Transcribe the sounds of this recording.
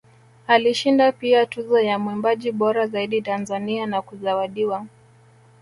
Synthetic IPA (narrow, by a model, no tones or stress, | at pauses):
aliʃindapiatuzɔjamwimbaʄiɓɔɾazaiɗitanzanianakuzawaɗiwa